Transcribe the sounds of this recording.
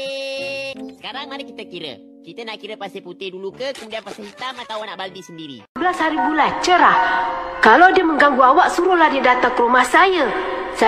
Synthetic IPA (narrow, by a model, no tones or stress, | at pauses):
sə̥kaɾaŋmaɾikit̪əkiɾə̰ | kit̪ənaʔkiɾəpast̪eput̪ɪhdulukəkəmudianpast̪ehit̪amat̪awnaʔbald̪isəndiɾḭbəlashaɾibulat͡ʃəɾahkalawdiəməŋɡaŋɡuawaʔsuɾʊhladiədat̪akəɾumahsajasa